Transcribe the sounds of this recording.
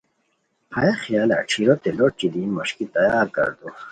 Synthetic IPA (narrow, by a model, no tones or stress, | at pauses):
hʰajaχijaːla̰ʈ͡ʂʰiɾot̪elot͡ɕid̪iːnmoɕkit̪ɐjaːɾkɐ̰ɾd̪o